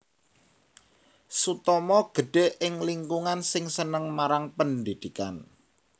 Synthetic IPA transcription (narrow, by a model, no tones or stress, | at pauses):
sut̪ɔmɔɡ̥ə̤ɖ̥e̤ʔɪŋliŋkuŋansɪŋsənəŋmaɾaŋpəndid̪̥ika̰n